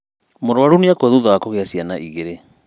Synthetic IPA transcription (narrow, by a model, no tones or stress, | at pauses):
moɾoaɾuniakwɛðuðawakoɣeasjanaʔiɣeɾe